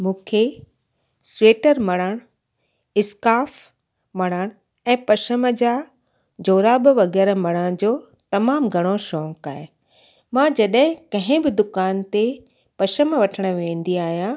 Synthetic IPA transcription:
mũːkʰe | sweːʈəɾmɐɽ̃əɽ̃ | ɪskaːf | mɐɽ̃əɽ̃ | ɛ̃ːpɐʃəməd͡ʑaː | d͡ʑoːɾabɪʋɐɣɛːɾmɐɽ̃əɽ̃d͡ʑoː | t̪ɐmaːmɡʱɐɽ̃oʃɔːkaːɦe | mãd͡ʑɐɗɦɪ̃kɐ̃ɦɪ̃bɪd̪ʊkaːnt̪e | pɐʃəmʋɐʈʰəɽ̃ʊ̆ʋẽːn̆d̪iaːɦijã

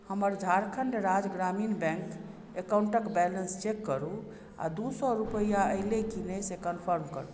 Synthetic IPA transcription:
həməɾd͡ʒʱaɾkʰəɳɖɾad͡ʒɡɾaminbɛ̃ŋk | ekauɳʈəkbɛlənst͡ʃekːəɾu | a̰d̪usɔɾupəjaəɪlekinesekənpʰəɾmkə̰ɾu

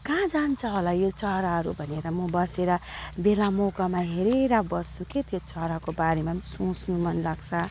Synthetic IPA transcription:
kãd͡zant͡sʰʌɦolajot͡sʌɾaɦʌɾubʱʌneɾʌmʌbʌseɾʌbelamokamaɦeɾeɾabʌsuket̪jot͡sʌɦɾakobaɾemasũsnumʌnlaɡt͡sʰʌ

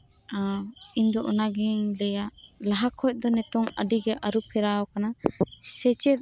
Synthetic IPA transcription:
aiɲd̪ɔʔɔnaɡɛŋlɛjaʔlaɦakʰɔc̚ˀd̪ɔnɛt̪ɔŋəɖiɡɛʔaɾupʰɛɾaɔkanasɛt͡ʃɛt̪̚

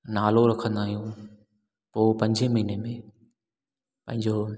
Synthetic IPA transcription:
naːloɾɐkʰə̃nd̪aːɦijũː | poːpɐ̃ɲd͡ʑemɐɦinemẽ | pɐ̃ɦɪ̃ɲd͡ʑoː

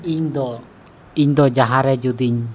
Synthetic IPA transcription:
ind̪ɔ | ind̪ɔd͡ʒaɦaɾɛd͡ʒud̪iɲ

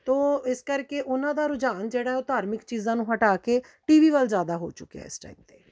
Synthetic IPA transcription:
t̪oːɪskəɾkeʔʊnãːd̪aːɾʊd͡ʒaːnd͡ʒeːɽaːɛʊt̪aːɾmɪkt͡ʃiːzãːnũːɦəʈaːkeː | ʈiːʋiːʋəlzjaːd̪aːɦo̰ːt͡ʃʊka̰ːɪ̰sʈa̰iːp̚t̪eː

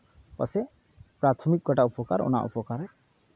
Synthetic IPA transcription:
pɔ̰se | pɾat̪ʰɔmik̚ɡɔʈaupɔkaɾṵna̰ʔṵpɔkaɾa

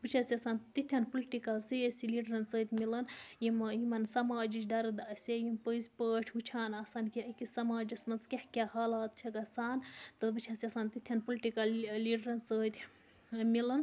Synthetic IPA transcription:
bɨt͡ʃʰasiɐsaːnt̪it̪ʰʲɐnpoliʈikɐlsiesiliʈɾɐnsəːt̪ʲmilɐnjimjimɐnsɐmaːd͡ʒit͡ʃʰɖɐɾɨd̪ɐsʲejimpəzʲpəːʈʰbɨt͡ʃʰaːnɐsaːnkiɐkisɐmaːd͡ʒɐsmɐnskehkʲahaːlaːt̪̚t͡ʃʰɐɡɐsaːnt̪ɨbɨt͡ʃʰɐsʲiɐsaːnt̪it̪ʲʰjɐnpuliʈikɐlːiɖɾɐnsəːt̪ʲ | milɐn

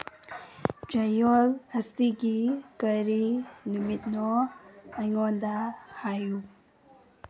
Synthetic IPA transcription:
d͡ʒɐjolhɐsiɡikɐɾinumit̚nɔ | ajŋɔndahaju

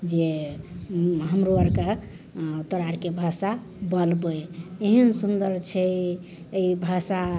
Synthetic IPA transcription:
d͡ʒe | ɦəmɾoəɾka | t̪ɔɾaɾkebʱasa | bəlbəjeɦənsund̪əɾt͡ʃʰɛ | əibʱasa

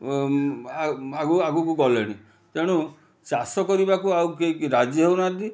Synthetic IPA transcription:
aɡuaɡukuɡɔleɽ̃i | t̪eɽ̃u | t͡ʃasɔkɔɾibakuawkeiɾad͡ʒjɔɦewnad̪i

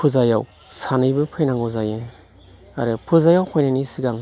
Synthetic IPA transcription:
pʰuzajaw | sanɯjbɯpʰɯjnaŋɔzaje | a̰ɾɯpʰɯzajawkʰɔjnanisiɡaŋ

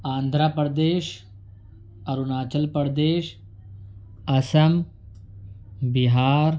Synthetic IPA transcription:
ãːnd̪ʱɾapɐɾd̪eːʃ | ɐɾunaːt͡ʃɐlpɐɾd̪eːʃ | ɐsɐm | biɦaːɾ

